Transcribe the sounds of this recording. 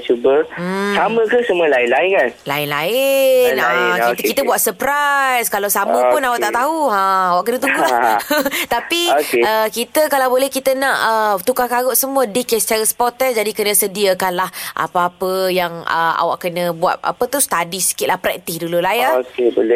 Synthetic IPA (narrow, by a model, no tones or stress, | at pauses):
t͡ʃubəsaməkəsəmuəlaɪnlaɪnkanla̰ɪnla̰ɪakit̪kit̪əbuat̪̚səpɾajskalawsaməpʊnawaʔt̪aʔt̪aɦuaawaʔkənət̪uŋɡulaht̪apiokeəkit̪əkalawbolɛhkit̪ənãʔət̪ukakaɣoʔsəmuədikɛst͡ʃaɾəspɔt̪ɛsd͡ʒadikənə̃sədiəkanlahʔa̰paapəjaŋə̰a̰wa̰ʔkənə̃bua̰t̪̚a̰pət̪ust̪adisi̥kitʔ̪lahpɾɛk̚t̪ɪhdululaaokebole